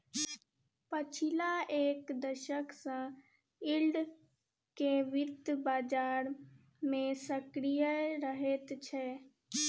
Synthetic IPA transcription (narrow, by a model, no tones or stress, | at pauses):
pət͡ʃʰilaeːkd̪əʃəksə̃ | ilɖ | keʋɪt̪baːd͡ʒaːɾ | mẽsəkɾijəɾəɦet̪t͡ʃʰɛ